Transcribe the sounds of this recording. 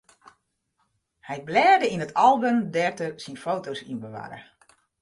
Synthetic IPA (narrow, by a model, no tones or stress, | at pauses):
hɛjblɛːrdəinətʰɑlˠbəmdɛrtəsinfowtowsḭnbəʋa̰ːɾə̰